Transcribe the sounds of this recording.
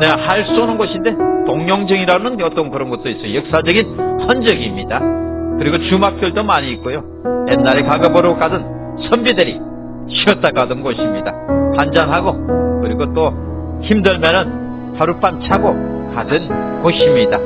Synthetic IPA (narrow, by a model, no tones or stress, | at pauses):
nehaɭs͈uonɯnɡʌɕʰinde̞toŋɲoŋd͡ʑɯŋiɾanɯnʌt͈ʌnkɯɾʌnɡʌt͈ois͈ʌjojʌk̚s͈ad͡ʑʌɡinsʰʌnd͡ʑʌɡimɲidakɯɾiɡot͡ɕumak̚kjoɭdomaɲiːk͈ojo | jenːaɾekaɡɯbʌɾok͈adɯn | sʰʌmbideɾḭ | ɕʰiʌt͈akadʌnɡʌɕʰimɲidapand͡ʑanɦaɡokɯɾiɡot͈o | çimdɯɭmʌnɯn | haɾup͈amt͡ɕʰaɡo | kadɯnkʌɕʰimɲida